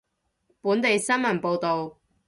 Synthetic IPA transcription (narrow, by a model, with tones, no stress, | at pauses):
puː˨˥nt̪e˨jsɐ˥nmɐ˨˩npo˨˧wt̪o˨w